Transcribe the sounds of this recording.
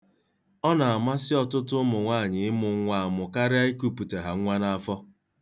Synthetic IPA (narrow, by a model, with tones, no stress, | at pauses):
ɔ˦na˨a˨ma˦sɪ˦ɔ˨tʊ˦tʊ˦mʊ˨ŋʷa˦˨ɲɪ˨ɪ˦mʊ˨ŋ˦ŋʷa˨mʊ˨ka˦ɾɪ˦a˦i˦ku˦pu˨te˨ɦa˨ŋ̩˦ŋʷa˦na˦a˦fɔ˦